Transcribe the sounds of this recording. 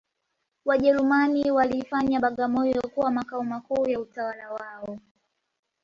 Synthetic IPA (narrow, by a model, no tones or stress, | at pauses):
waʄɛɾumaniwalifaɲaɓaɠamɔjɔkuwamakaɔmakuːjautawalawaɔ